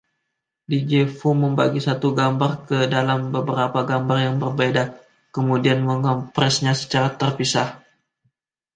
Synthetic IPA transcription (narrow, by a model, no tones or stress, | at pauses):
did͡ʒefuməmbaɡisat̪uɡambarkədalambəbəɾapaɡambarjaŋbərbeda | kəmudianməŋɔmpɾɛsɲasə̥t͡ʃaɾat̪ərpisah